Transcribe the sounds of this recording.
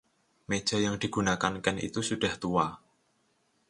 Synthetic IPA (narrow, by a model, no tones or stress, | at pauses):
med̥ʒ̥a̤jaŋd̪̥i̤ɡ̥ṳnakankɛnʔḭt̪usuɖ̥a̤ht̪ua